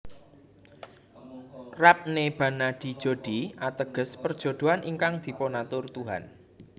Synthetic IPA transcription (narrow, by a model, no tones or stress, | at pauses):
rap̚neb̥ä̤nad̪̥i̤d̥ʒ̥o̤d̪̥iat̪əɡ̥ə̤spərd̥ʒ̥o̤d̪̥o̤anʔiŋkaŋd̪̥i̤ponat̪ʊrt̪uɦa̰n